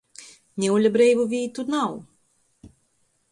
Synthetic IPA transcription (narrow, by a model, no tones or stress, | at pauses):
nʲɛwlʲabɾɛjvuvʲiːt̪unaw